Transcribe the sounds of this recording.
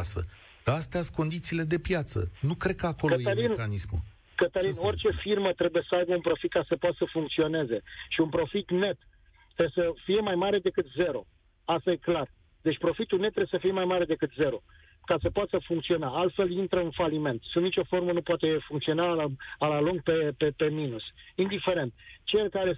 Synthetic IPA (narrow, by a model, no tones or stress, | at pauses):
sə̰ | d̪̥aast̪easko̞nd̪it̪siːle̞d̪e̞pjat̪sə̰nukɾe̞d̪̚kəakoləjeəlinkanismṵ | kət̪əlino̞rt͡ʃe̞firmət̪ɾe̞bujesəajbəunpɾo̞fit̪̚kasəpoat̪səfuŋkt̪sio̞ne̞ze̞ʃiunpɾo̞fit̪ne̞t̪ː | ɾesəfije̞majmaɾe̞d̪e̞kɨt̪ze̞ɾo̞ | ast̪aje̞klar | d̪et͡ʃʲpɾo̞fit̪ulnet̪ːɾeesəfije̞majmaɾe̞d̪e̞kɨt̪ze̞ɾo̞ | kasəpoat̪əfuŋkt̪sio̞naalt̪fe̞lint̪ɾəɨnfalime̞nt̪sund̪nit͡ʃo̞fo̞rmənupoat̪e̞fuŋkt̪sio̞naalaloŋɡ̚pe̞pepe̞minusind̪ife̞ɾe̞nt̪t͡ʃelkaɾe